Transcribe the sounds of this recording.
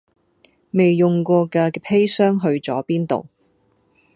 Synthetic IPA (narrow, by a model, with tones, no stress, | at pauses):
me˨jːʊ˨ŋkʷɔː˧kɐː˧pʰe˥jsœː˥ŋɦɵ˧ɥt͡sɔː˨˥piː˥nt̪o̰˨˩w